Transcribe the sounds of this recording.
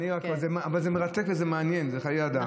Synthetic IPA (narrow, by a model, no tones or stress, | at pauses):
niakazemavalzemeʁat̪e̞kvezemeanjenzeχajead̪a